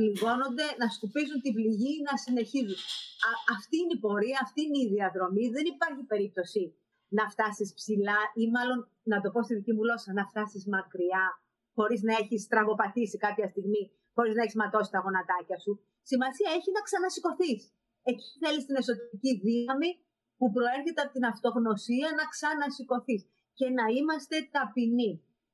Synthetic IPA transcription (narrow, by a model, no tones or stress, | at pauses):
liɣo̞no̞nd̪e̞nɐskupizunt̪ibliʝinɐsine̞çizunɐft̪iineipo̞ɾiɐːft̪iineiðiɐðɾo̞miðe̞nipɐɾçipe̞ɾip̚t̪o̞si | nɐft̪ɐsispsilɐimɐlo̞n | nɐt̪o̞po̞st̪iðicimulo̞sɐnɐft̪ɐsizmɐkɾiɐ | xo̞ɾiznɐeçist̪ɾɐɣo̞pɐθisikɐpçɐst̪iɣmi | xo̞ɾiznɐeçizmɐt̪o̞si̥t̪ɐɣo̞nɐt̪ɐcɐsu | simɐsiɐeçinɐksɐnɐsiko̞θis | e̞ci̥θelist̪ine̞so̞t̪eɾiciðinɐmi | pupɾo̞e̞ɾçet̪eɐpt̪inɐft̪o̞ɣno̞siɐnɐksɐnɐsiko̞θis | ce̞nɐimɐst̪e̞t̪ɐpini